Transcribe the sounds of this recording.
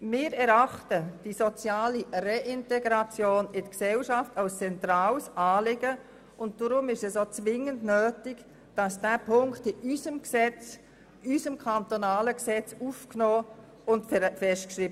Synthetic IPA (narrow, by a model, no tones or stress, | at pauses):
mɪːɾɛɾɑχtəd̥isot͡sjaːlireʔɪntɛɡɾɑt͡sjoːnɪdəksɛlʃɑftalst͡sɛntraːlsɑːlɪɡə | ʊnt̚d̥ɔɾʊmɪʃɛsot͡sʋɪŋəndnøːtɪɡ | d̥ɑsd̥æːpʰʊŋktɪʔyzəmksɛt͡s | ysəmkʰɑntonaːləksɛt͡sufknoː | ʊntffɛʃtkʃriːb